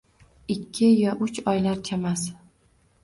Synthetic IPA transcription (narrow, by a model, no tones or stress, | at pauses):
ɪkʲʰːɪjɒʔʊt͡ʃɒjlaɾt͡ʃʰamas